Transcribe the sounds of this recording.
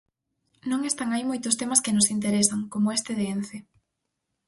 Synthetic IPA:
nõŋest̪aŋajmojt̪ʊst̪emɐskɪnʊsint̪eɾesɐŋkomoest̪eðeenθe

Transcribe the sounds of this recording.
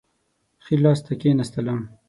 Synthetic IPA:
xilɑːst̪ʰɐkeːnɐst̪ɐlɑːm

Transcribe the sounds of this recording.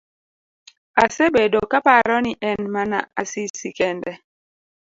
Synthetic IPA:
asebedokapaɾɔniʔɛnmana̰ʔasisikɛndɛ

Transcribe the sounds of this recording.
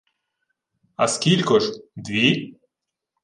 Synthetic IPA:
ɐskʲilʲkɔʒd̪ʋʲi

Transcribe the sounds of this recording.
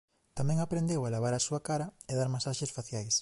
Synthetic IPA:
t̪amɛ̃ŋapɾend̪ewalaβ̞aɾasuakaɾɐeðaɾmasaʃesfaθjajs

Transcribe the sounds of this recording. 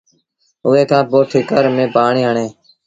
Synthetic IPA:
ʊːeːkʰãːpoːʈʰɪkəɾmẽːpaːɳiːɦəɳeː

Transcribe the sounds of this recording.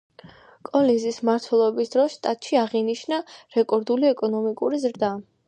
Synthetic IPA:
kʼɔlinzismaɾt̪ʰwɛlˠɔɛbisd̪ɾɔsʃt̪ʼat̪ʼʃiaʁiniʃnaɾɛkʼɔɾd̪uliɛkʼɔnɔmikʼuɾizɾd̪a

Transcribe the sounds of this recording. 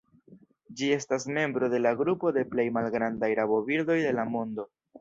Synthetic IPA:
d͡ʒie̞stasme̞mbɾo̞de̞laɡɾupo̞de̞ple̞jmalɡɾandajɾabo̞biɾdo̞jde̞lamo̞ndo̞

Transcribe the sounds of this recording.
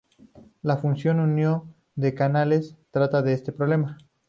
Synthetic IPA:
lafunsjo̞nunjo | d̪e̞kanale̞st̪ɾat̪aðeest̪e̞pɾole̞ma

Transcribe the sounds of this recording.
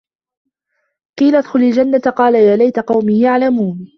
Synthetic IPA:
qiːlaʔad̪xʊlald͡ʒanːat̪aqɑːlajaːlajt̪aqɑwmiːjaʕlamuːn

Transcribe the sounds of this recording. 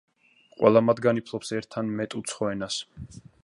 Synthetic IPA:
qʼwɛ̰lˠamad̪ɡanipʰlˠɔpsɛɾt̪ʰːanmɛt̪ʼut̪sʰχɔɛnas

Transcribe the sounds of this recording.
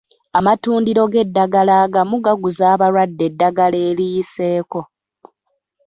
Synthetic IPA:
amatuːndiɾo̞ɡe̞dːaɡalaːɡamuɡaɡuzaːβaɾwadːe̞dːaɡale̞ːlijise̞ːko̞

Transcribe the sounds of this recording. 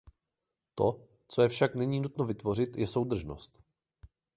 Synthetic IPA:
t̪o̞ | t͡so̞jɛfʃaknɛɲiːnut̪novɪt̪vo̞r̝ɪt̪jɛso̞wd̪r̩ʒno̞̰st̪

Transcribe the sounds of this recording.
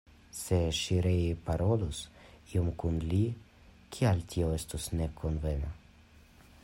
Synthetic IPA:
se̞ʃiɾejpaɾo̞lusio̞mkunli | kʰialtio̞e̞stosne̞konve̞na

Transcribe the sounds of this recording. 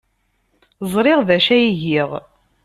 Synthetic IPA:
zˤɾˤɪʁðæʃæjiʝiʁ

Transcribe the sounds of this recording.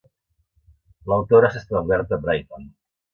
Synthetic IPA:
ləwt̪oɾəsest̪aβauβɛɾt̪əbɾajt̪an

